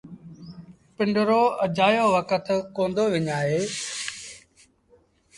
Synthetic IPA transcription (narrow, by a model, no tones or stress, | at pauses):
pɪ̃ɳɖəɾoːəd͡ʒaːjoːʋəkət̪kõːnd̪oːʋɪɲaːɦeː